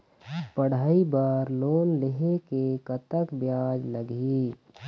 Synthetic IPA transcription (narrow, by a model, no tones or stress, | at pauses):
pəɽ̤aːibaːɾloːnleɦekekət̪əkbjaːd͡ʒləɡi